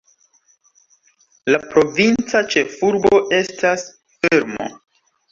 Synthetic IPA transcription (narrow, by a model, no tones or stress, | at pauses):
lapɾo̞vint͡sat͡ʃe̞fuɾbo̞ʔe̞stʰas | feɾmo̰